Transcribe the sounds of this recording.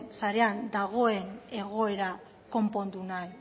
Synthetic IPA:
nsaɾe̞and̪aɣ̞o̞e̞ne̞ɣ̞o̞e̞ɾa | ko̞mpo̞nd̪unaj

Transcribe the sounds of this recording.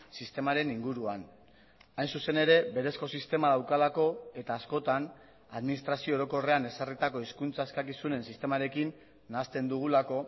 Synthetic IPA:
sist̪e̞maɾe̞niŋɡuɾuan | ajnsuse̞ne̞ɾe̞be̞ɾe̞sko̞sist̪e̞maðawkalako̞e̞t̪aːsko̞t̪an | aðminis̬t̪ɾasio̞ɾo̞ko̞re̞ane̞sarit̪ako̞iskunt͡saeskakisune̞nsist̪e̞maɾe̞kinː | ast̪e̞nd̪uɣ̞ulako̞

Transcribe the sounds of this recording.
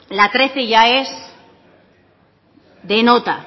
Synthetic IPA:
lat̪ɾeθeʝaez | ðe̞not̪a

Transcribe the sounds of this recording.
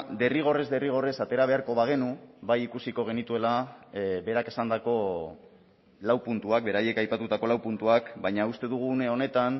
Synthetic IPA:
d̪e̞riɣ̞o̞re̞zd̪e̞riɣ̞o̞re̞sat̪e̞ɾaβe̞aɾko̞βaɣ̞e̞nubajikusiko̞ɣ̞e̞nit̪ue̞labe̞ɾake̞sand̪ako̞ | lawpunt̪uak̚be̞ɾaje̞kajpat̪ut̪ako̞lawpunt̪uakbajɲaust̪e̞ðuɣ̞une̞o̞ne̞t̪an

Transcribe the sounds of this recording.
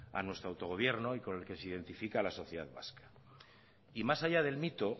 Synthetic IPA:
a̰nwe̞st̪ɾoawt̪o̞ɣ̞o̞β̞je̞ɾno̞iko̞ne̞lke̞seiðe̞nt̪ifikalaso̞θjeða̰ðβa̰skḁ | imasaʝað̞e̞lmit̪o

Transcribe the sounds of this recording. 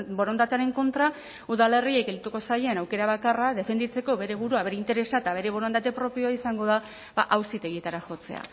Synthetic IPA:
bo̞ɾo̞nd̪at̪eaɾe̞ŋko̞nt̪ɾa | uðale̞riekɡelit̪uko̞sajenawke̞ɾaβakaraðe̞fe̞nd̪it͡se̞ko̞βe̞ɾe̞β̞uɾuaβe̞ɾeint̪e̞ɾe̞sat̪aβe̞ɾe̞βo̞ɾond̪at̪e̞pɾo̞pio̞aisaŋɡo̞ða | ba̰ʔawsit̪e̞ɣ̞it̪aɾaʝo̞t͡se̞̰a̰

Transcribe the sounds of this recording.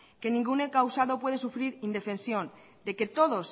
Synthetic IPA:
ke̞nĩŋɡunekawsaðo̞pwe̞ð̞esufɾiɾind̪e̞fe̞nsjo̞n | d̪eke̞t̪o̞ð̞o̞s

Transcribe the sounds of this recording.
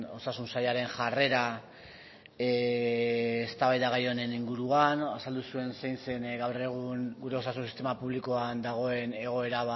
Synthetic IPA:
o̞sasunsajʎaɾe̞nʝare̞ɾa | st̪aβajðaɣ̞ajo̞ne̞niŋɡuɾuanasald̪usue̞nsejnse̞nɡawre̞ɣ̞uŋɡuɾe̞o̞sasunsi̥st̪e̞mapuβliko̞and̪aɣ̞o̞e̞ne̞ɣ̞o̞e̞ɾaβa

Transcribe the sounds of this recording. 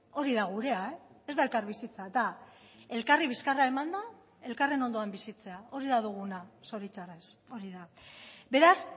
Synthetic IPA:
o̞ɾiðaɣuɾe̞aeezd̪aelkaɾβisit͡sad̪ae̞lkariβ̞iskarae̞mand̪a | e̞lkare̞no̞nd̪o̞ambisit͡se̞ao̞ɾiðaðuɣ̞unaso̞ɾit͡ʃareso̞ɾiðabe̞ɾas

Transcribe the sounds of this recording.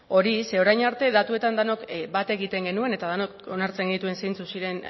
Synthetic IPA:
o̞ɾiseo̞ɾajɲaɾt̪e̞ðat̪ue̞t̪and̪ano̞kbat̪e̞ɣit̪e̞ŋɡe̞nue̞ne̞t̪að̞ano̞ko̞naɾt͡se̞ŋɡnit̪ue̞nse̞jnt͡susiɾe̞n

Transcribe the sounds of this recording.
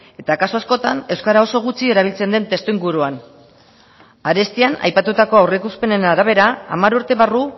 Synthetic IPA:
e̞t̪akasuasko̞t̪ane̞wskaɾao̞so̞ɣ̞ut͡sie̞ɾaβ̞ilt͡se̞nd̪e̞nt̪e̞st̪oiŋɡuɾuan | aɾe̞st̪iana̰jpat̪ut̪ako̞awrekuspe̞ne̞naɾaβ̞e̞ɾaa̰maɾuɾt̪e̞βaru

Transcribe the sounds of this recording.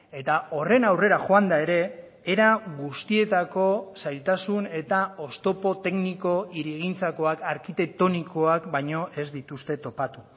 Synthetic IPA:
e̞t̪ao̞re̞nawre̞ɾaxo̞and̪ae̞ɾe̞ː | ɾaɣust̪ie̞t̪ako̞sajlt̪asune̞t̪ao̞st̪o̞po̞t̪e̞kniko̞iɾeɣ̞int͡sako̞akaɾkit̪e̞k̚t̪o̞niko̞akbajɲo̞ʔe̞zd̪it̪ust̪e̞t̪o̞pat̪u

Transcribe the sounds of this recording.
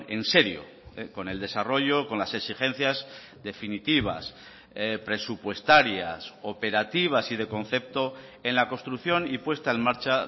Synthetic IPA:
e̞nse̞ɾjo̞̰ | ko̞ne̞ld̪e̞saro̞ʝo̞ko̞nlase̞ksixẽ̞n̟θjaz | d̪e̞finit̪iβ̞a̰s | pɾe̞supwe̞st̪aɾja̰so̞pe̞ɾat̪iβ̞asið̞e̞ko̞nθe̞p̚t̪o̞e̞nlako̞st̪ɾuθjo̞nipwe̞st̪ae̞nmaɾt͡ʃa

